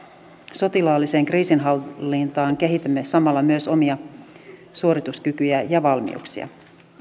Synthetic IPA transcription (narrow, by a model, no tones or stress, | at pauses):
so̞t̪ilɑːlːise̞ːŋkriːsinɦɑlːint̪ɑːŋk̟eɦit̪æmːe̞sɑmɑlːɑmyøso̞miɑ | suo̞ɾit̪uskykyjæjɑʋɑlmḭṵksḭɑ̰